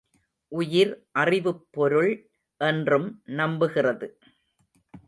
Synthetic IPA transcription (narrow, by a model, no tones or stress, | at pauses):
ʔʊjɪɾʔɐrɪʋɯpːɔɾɯɭ | ʔɛndrɯmnɐmbɯɣɪrɐðɯ